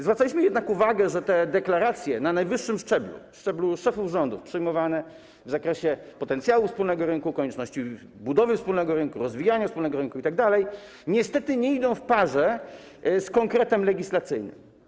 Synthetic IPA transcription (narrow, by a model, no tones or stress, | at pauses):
zvɾat̪alʲiɕmɘjɛd̪nakuvaɡɛʐɛt̪ɛd̪ɛklaɾat̪sʲjɛnanajvɘʂːɘmʂt͡ʂɛblṵfʂt͡ʂɛbluʂɛfuvʐɔnd̪ufpʂɘjmɔvanɛ | vzakɾɛɕɛ | pɔt̪ɛnt̪sʲjawufspulnɛɡɔɾɘnkukɔɲɛt͡ʂnɔɕt͡ɕi | bud̪ɔvɘfspulnɛɡɔɾɘnkuɾɔzvʲijaɲafspulnɛɡɔɾɘnkuit̪aɡ̚d̪alɛj | ɲɛst̪ɛt̪ɘɲɛid̪ɔ̃w̃fpaʐɛ | skɔŋkɾɛt̪ɛmlɛɡʲislat̪sɘjnɘ̰m